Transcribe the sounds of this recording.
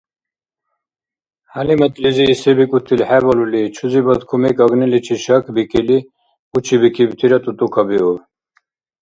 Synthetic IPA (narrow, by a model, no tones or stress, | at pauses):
halimət̪ʼliziːsɛbikʼut̪ʰːilħɛbɔlulit͡ʃʰuzibad̪kʰumɛkʼaɡnɛlit͡ʃʰiʃakʰbikʰʼili | ut͡ʃʰibikʰibt̪ʰiɾat̪ʼut̪ʼukʰabiɔ